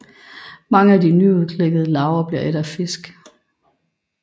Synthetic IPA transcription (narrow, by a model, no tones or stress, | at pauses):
mɑ̈ŋəæd̥inyuðˠkʰleɡ̥əðˠəlɑ̈ʊɐb̥liɐʔeɾɐfe̝sɡ̥